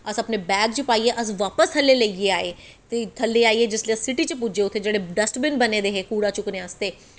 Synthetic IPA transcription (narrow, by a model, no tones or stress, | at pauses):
əsəpneːbɛːkt͡ʃəpaːiːeːʔəs̬ʋaːpəsʰəlːeːləieːaːeː | t̪eːt̪ʰəlːeːaːiːeːd͡ʒɪsliːəssɪʈiːt͡ʃəp̬ʊd͡ʒeːʊt̪ʰːeːd͡ʒeːɽeːɖəsʈbɪnbəneːd̪eːɦeːkuːɽaːt͡ʃʊkneːəst̪eː